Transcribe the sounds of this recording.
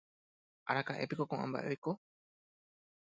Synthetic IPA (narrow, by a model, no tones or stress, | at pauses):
ʔaɾakaʔe̞̰pikokõʔã̰mba̰ʔe̞ko